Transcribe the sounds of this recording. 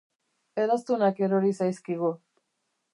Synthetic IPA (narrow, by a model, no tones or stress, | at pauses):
e̞ðast̪unake̞ɾoɾisajskiɣ̞u